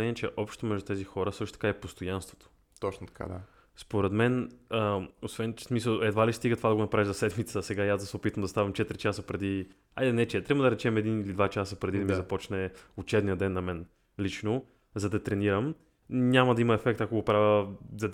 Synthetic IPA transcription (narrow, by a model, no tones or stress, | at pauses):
ɛniɛt͡ʃɛʔɔpʃt̪t̪omɛʒd̪ut̪ɛzixɔɾəsɤʃt̪o̥t̪ɐ̥kaɛpost̪ojanst̪vo̥t̪o̥ | t̪ɔt͡ʃnot̪ɐ̥ka̰d̪a̰ | spoɾɛd̪mɛnəosvɛnsmisəlˠɛd̪valist̪iɡət̪vad̪ɐɡonɐpɾaviʒzɐsɛd̪mit̪səsɛɡaiaszd̪ɐsɛopit̪vəmd̪ɐst̪avimt͡ʃɛt̪ɾit͡ʃasəpɾɛd̪i | a̰jd̪ɛnɛt͡ʃɛt̪ɾabəd̪ɐɾɛt͡ʃɛmɛd̪inilid̪vat͡ʃasəpɾɛd̪id̪ɐmizɐpɔt͡ʃnɛot͡ʃɛbnijəd̪ɛnːɐmɛn | lit͡ʃno | zɐd̪ɐt̪ɾɛniɾəm | nʲamɐd̪ɐimɐɛfɛk̚t̪ɐkoɡopɾavʲjəzɐ